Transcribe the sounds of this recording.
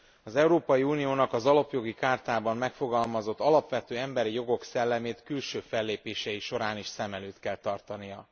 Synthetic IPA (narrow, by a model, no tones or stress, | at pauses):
ɒzɛwuɾoːpɒjiuːnijoːnɒkɒzɒlɒpjo̞ɡikaːrt̪aːbɒmːɛkfo̞ɡɒlmɒzo̞t̪ːɒlɒpʋɛt̪øːɛmbɛɾijo̞ɡo̞ksɛlːɛmeːt̪kylʃøːfɛlːeːpeːʃɛjiʃo̞ɾaːniʃsɛmɛløːt̪kɛlt̪ɒrt̪ɒnijɒ